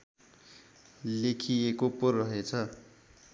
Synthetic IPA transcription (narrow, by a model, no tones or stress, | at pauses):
lekʰiekopurʌɦet͡sʰʌ